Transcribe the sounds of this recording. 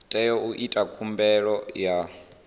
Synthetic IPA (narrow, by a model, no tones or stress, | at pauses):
tʼɛjɔuʔitʼakʰumbɛɺɔja